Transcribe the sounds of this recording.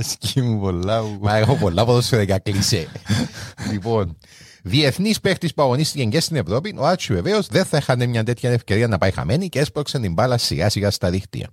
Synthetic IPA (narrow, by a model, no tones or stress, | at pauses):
escimupolːɐuɐexopolːɐpoðosfeɾɐcɐklise | lipo̞n | ðie̞θnispe̞xt̪ispuɐɣo̞nist̪iceɲɟest̪ine̞vɾo̞pinʔoaɾt͡ʃʰuve̞veozðe̞nθɐexɐnemɲɐnt̪e̞t̪çɐnefce̞ɾiɐnɐpɐjxɐ̰me̞niceespɾoksɐnt̪imbɐlɐsːiɣɐsiɣɐst̪ɐðixt̪ḭɐ̰